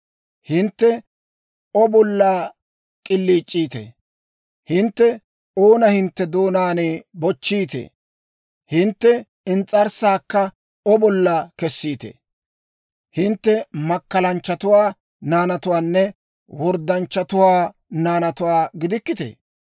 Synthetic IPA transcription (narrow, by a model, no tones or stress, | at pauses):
hɪnt̪ːɛ | ɔbɔlːaː | kʼɪlːiːt͡ʃʼːiːt̪ḛ | hɪnt̪ːɛ | oːnɐhɪnt̪ːɛd̪oːnaːnebɔt͡ʃːiːt̪ḛː | hɪnt̪ːɛ | ɪnt͡sʼːɐɾsaːkːɐ | ɔbɔlːɐkɛsːiːt̪ḛ | hɪnt̪ːɛmɐkːɐlɐnt͡ʃːɐt̪ʊwaː | naːnɐt̪ʊwaːnːɛ | wɔɾd̪ɐnt͡ʃːɐt̪ʊwaː | naːnɐt̪ʊwaːɡɪd̪ɪkːɪt̪ḛː